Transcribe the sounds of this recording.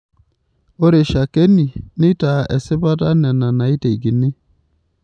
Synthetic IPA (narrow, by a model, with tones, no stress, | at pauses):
o˦ɾe˨ʃa˨ke˦ni˨nɪ˦ta˨ɛ̰˨sɪ˦ba˦ta˦nɛ˨na˨na˨i˦te˨i˨ɡi˨nɪ˦